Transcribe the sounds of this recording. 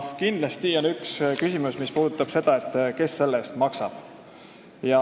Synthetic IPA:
kind̪lɑst̪io̞nykskysʲimusmispuːd̪ut̪ˑːɑb̥se̞d̪̥ɑe̞t̪ˑːke̞sːe̞lːest̪mɑksɑ̰b̥ | jɑ

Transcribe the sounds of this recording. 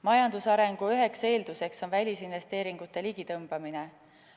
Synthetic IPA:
mɑjɑnd̪usɑɾe̞ŋɡ̥uyɦe̞kse̞ːld̪use̞kso̞nvælʲisinve̞st̪e̞ːɾiŋɡut̪ːˑeliɡ̥it̪ɤmb̥ɑmine

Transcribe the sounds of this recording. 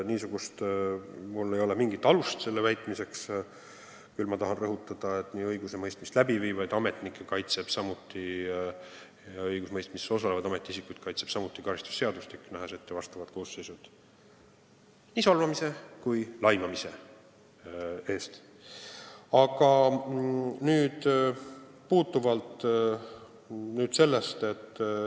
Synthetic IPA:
niːsuɡ̥ust̪ | mulːe̞jo̞lemiŋɡ̥it̪ːˑɑlust̪se̞lːevæjt̪mise̞ks | kylmɑt̪ɑɦɑnrɤɦut̪ːˑɑd̪̥ɑe̞t̪ˑniːɤjɡuse̞mɤjst̪mist̪læbivivɑjd̪ɑme̞t̪nikːˑekɑjt̪se̞b̥sɑmut̪ːˑi | ɤjɡusmɤjst̪miso̞s̬ɑlevɑd̪ɑme̞t̪ːˑiis̬ikːujd̪̥kɑjt̪se̞b̥sɑmut̪ːˑikɑɾist̪u̥sːe̞ɑd̪ust̪ikːˑnæɦeset̪ːevɑst̪ɑvɑd̪ko̞ːsːe̞jsud̪̥ | niːsɑlvɑmise̞kujlɑjmɑmise̞ | e̞ːst̪ | ɑɡ̥ɑ | nyːd̪̥ | puːt̪ːˑuvɑlt̪ | nyːd̪̥se̞lːest̪e̞t̪ː

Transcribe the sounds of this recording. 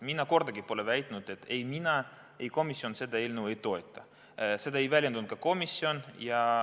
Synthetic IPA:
minːɑko̞rd̪̥ɑɡipo̞levæjt̪ːˑnud̪̥e̞t̪ːejminɑ | ejko̞misːio̞nse̞d̪ɑelnue̞jt̪o̞e̞t̪ˑːɑ | se̞d̪ɑejvælʲjend̪unt̪̚kɑko̞misːio̞njɑ

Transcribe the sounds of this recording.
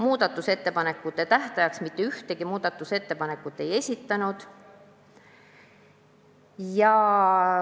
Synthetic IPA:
muːd̪̥ɑt̪ːˑuse̞t̪ːe̞pɑne̞kːˑut̪ːˑe̞t̪æht̪ɑjɑksmit̪ːeyht̪eɡ̥imuːd̪̥ɑt̪ːˑuse̞t̪ːe̞pɑne̞kːˑut̪ːˑe̞je̞sʲit̪ːɑnud̪̥ | jɑ

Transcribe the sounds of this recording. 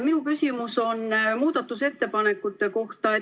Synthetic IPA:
minukysʲimuso̞nːmuːd̪̥ɑt̪ːˑuse̞t̪ːe̞pɑne̞kːˑut̪ːˑe̞ko̞ht̪ɑe

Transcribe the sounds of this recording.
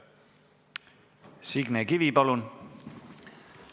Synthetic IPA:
siɡ̥nɛɡ̥iʋibɔlun

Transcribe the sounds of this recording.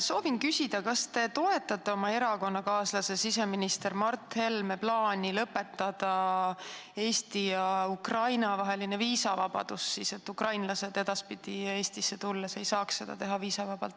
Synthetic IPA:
so̞ːvinkysid̪̥ɑkɑst̪e̞t̪o̞e̞t̪ːˑɑt̪ːˑe̞o̞mɑe̞ɾɑko̞nːɑkɑːslɑse̞sise̞minist̪e̞ɾmɑrt̪ːˑhe̞lme̞plɑːnʲilɤpːe̞t̪ːˑɑd̪̥ɑ | e̞ːst̪ijɑukrɑjnɑvɑɦe̞line̞viːsɑvɑb̥ɑ̰d̪̥usːiːse̞t̪ːukrɑjnlɑse̞d̪̥e̞d̪̥ɑspid̪̥ie̞ːst̪isːe̞t̪ulːɑse̞jsɑːksse̞d̪̥ɑ̰t̪e̞ɦɑviːsɑvɑb̥ɑlt̪ː

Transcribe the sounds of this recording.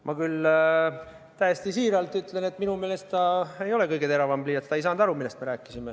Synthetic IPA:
mʔɑkyl | t̪æjest̪isiːɾɑlt̪ˑyt̪le̞ne̞t̪ːminume̞ːle̞st̪t̪ɑe̞jo̞le̞kɤjɡee̞ɾɑvɑmbliːɑt̪st̪ɑejsɑːnd̪ɑɾumilːest̪me̞ɾæːkːˑisime

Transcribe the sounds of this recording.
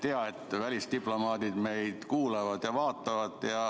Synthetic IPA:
t̪eɑet̪ːˑvælʲist̪iplo̞mɑːd̪id̪̥me̞jd̪̥kuːlevɑd̪̥jɑvɑːt̪ːˑɑvɑd̪̥jɑ

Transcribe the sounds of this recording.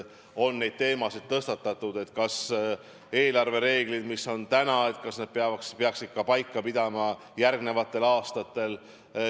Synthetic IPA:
o̞nːe̞jd̪̥̚t̪e̞ːmɑsid̪̚t̪ɤst̪ɑt̪ːˑɑt̪ːud̪̥e̞t̪ːkɑs | e̞ːlɑrve̞ɾe̞ːɡ̥lid̪misːo̞nt̪ænɑe̞t̪kɑsned̪̚peɑvɑkspeɑksid̪̥kːɑpɑjkːɑpid̪̥ɑmɑ | jærɡne̞vɑt̪ːˑe̞lɑːst̪ɑt̪ːˑe̞l

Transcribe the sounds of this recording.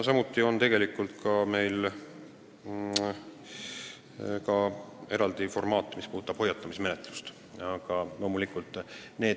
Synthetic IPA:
sɑmut̪ːˑio̞nt̪e̞ɡ̥e̞likːˑult̪kɑme̞jl | kɑe̞ɾɑld̪̥ifo̞rmɑːt̪ˑːmispuːt̪ːˑɑb̥ho̞jːɑt̪ːˑɑmisme̞net̪ˑlust̪ | ɑɡ̥ɑlo̞ːmulikˑult̪ːˑne̞ː

